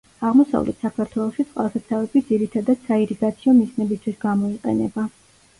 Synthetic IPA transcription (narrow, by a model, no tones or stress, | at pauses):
aʁmɔsa̰vlʔɛ̰t̪ʰsakʰaɾt̪ʰwɛlˠɔʃit̪ʼqʼwa̰lˠsasʰavɛbid̪ziɾit̪ʰad̪ad̪̥saiɾiɡat̪sʰiɔmisnɛbist̪ʰwisɡamɔiqʼɛ̰nɛba